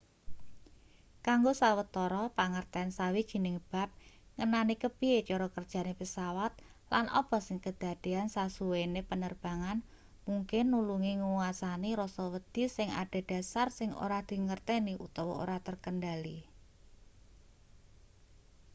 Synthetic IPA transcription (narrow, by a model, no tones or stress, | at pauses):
kaŋɡosawət̪ɔɾɔpaŋərt̪ɛansawid̥ʒ̥i̤nɪŋb̥a̤p̚ŋənanikəb̥iet͡ʃɔɾɔkərd̥ʒ̥a̤nepəsawat̪̚ | lanʔɔ̰b̥ɔ̤sɪŋkəd̪̥a̤d̪̥e̤ansasuwenepənərb̥a̤ŋan | muŋkɪnːuluŋiŋuwasaniɾɔsɔwəd̪̥i̤sɪŋa̰ɖ̥a̤d̥a̤sarsɪŋʔo̰ɾahd̪̥i̤ŋərt̪eniʔṵt̪ɔwɔo̰ɾat̪ərkəndali